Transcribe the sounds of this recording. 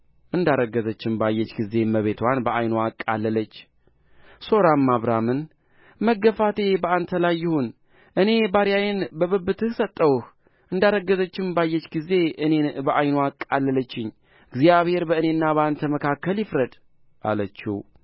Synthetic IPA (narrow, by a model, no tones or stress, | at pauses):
ʔɨnd̪aɾəɡːəzət͡ʃːɪmbajːɛt͡ʃːɡize̞məβe̞t̪ʰwanbəʔajnoakʼːalːələt͡ʃː | so̞ɾamːaβɾamɨn | məɡːəfat̪ʰe̞bəant̪ʰəlajːɪhon | ʔɨne̞baɾijajɛnbəβɨbːɨt̪ʰɨhsət̪ʼːəwuh | ʔɨnd̪aɾəɡːəzət͡ʃːɪmbajːɛt͡ʃːɡize̞ʔɨnebəʔajnoakʼːalːələt͡ʃːɪɲː | ɨɡzjaβhe̞ɾbəɨnenːaβəant̪ʰəməkʰakːəljɪfɾəd̪ | ʔa̰lət͡ʃːi